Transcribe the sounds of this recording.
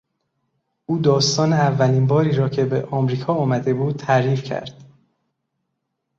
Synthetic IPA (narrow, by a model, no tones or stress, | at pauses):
ʔuːd̪ɒːst̪ɒːneævːæliːnbɒːɾiːɾɒːcʰe̞beʔɒːmɾiːkʰɒːɒːmæd̪e̞buːd̪̥̚t̪ʰæɾiːfcʰæ̰ɾd̪̥